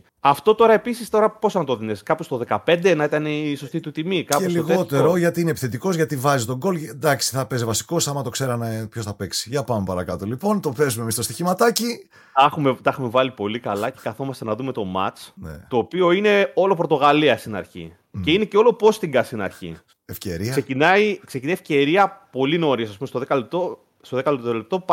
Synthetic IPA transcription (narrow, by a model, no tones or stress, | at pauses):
ɐft̪o̞t̪o̞ɾɐe̞pisist̪o̞ɾɐpo̞sɐnɐt̪oðineskɐpost̪oðe̞kɐpe̞nd̪enɐit̪ɐneiso̞st̪it̪ut̪imikɐeliɣo̞t̪e̞ɾo̞ʝɐt̪iinepi̥θe̞t̪iko̞zʝɐt̪ivɐzit̪o̞ɡo̞ld̪ɐksi̥θɐpe̞zevɐsi̥kosɐmɐt̪o̞kse̞ɾɐnepçosθɐpe̞ksi̥ʝɐpɐmepɐɾɐkɐt̪o̞lipo̞nt̪o̞fe̞zumemist̪o̞st̪içimɐt̪ɐci | ɐxumet̪ɐxume̞vɐlipo̞likɐlɐcekɐθo̞mɐst̪enɐðume̞t̪o̞mɐ̰t͡snḛt̪o̞ːpio̞ine̞o̞lo̞pɾo̞t̪o̞ɣɐliɐst̪inɐ̰ɾçḭ | ce̞ineceo̞lo̞po̞st̪iɡɐsinɐ̰ɾçḭ | efce̞ɾiɐseinɐiksecinɐjefce̞ɾiɐpo̞lino̞ɾisɐspumest̪oðekɐlep̚t̪o | st̪o̞ðekɐlt̪ot̪elep̚t̪o̞p